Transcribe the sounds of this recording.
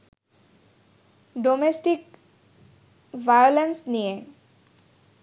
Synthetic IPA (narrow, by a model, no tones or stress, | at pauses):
ɖomesʈik | ʋajolensnije